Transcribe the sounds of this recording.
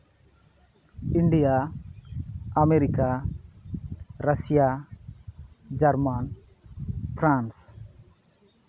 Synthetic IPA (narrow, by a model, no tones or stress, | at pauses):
iɳɖija | ameɾika | ɾasija | d͡ʒaɾman | pɾãns